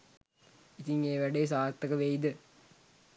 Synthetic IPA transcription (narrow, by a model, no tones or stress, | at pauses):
it̪iŋeːʋæɖeːsaːɾt̪ːɐkəʋejd̪ə